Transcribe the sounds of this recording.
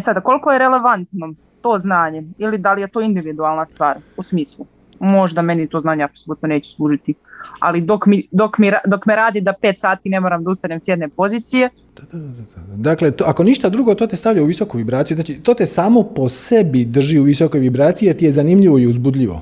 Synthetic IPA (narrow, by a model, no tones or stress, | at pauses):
sad̪ako̞lˠiko̞jeɾele̞ʋant̪no̞ | t̪o̞ːznaːɲeilid̪alijet̪o̞ːind̪iʋid̪ualˠnast̪ʋaːɾusmiːslˠu | mo̞ʒd̪ame̞nit̪o̞ːznaːɲeapsolut̪no̞ne̞ːt͡ɕu̥slˠuːʒit̪ia̰lid̪o̞kmid̪o̞kmiɾad̪o̞kmeɾaːd̪id̪apeːt̪saːt̪ine̞mo̞ɾamd̪aust̪anemsjed̪nepo̞ziːt̪sije̞ | d̪̥ad̪ad̪ad̪ad̪aad̪aklet̪oakoniʃt̪ad̪ɾuɡo̞t̪ot̪est̪aʋʎauʋiso̞kuʋibɾaːt̪sijuznaːt͡ʃit̪oːt̪esaːmo̞po̞sebid̪r̩ʒiuʋisoko̞jʋibɾaːt̪sijiet̪ijezanimʎiʋo̞iuzbud̪ʎiʋo̞̰